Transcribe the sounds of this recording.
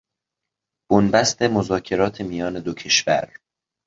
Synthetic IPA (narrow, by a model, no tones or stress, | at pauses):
b̥onbæst̪e̞mozɒːcʰe̞ɾɒːt̪ʰe̞mijɒːne̞d̪ocʰe̞ʃvæ̰ɾ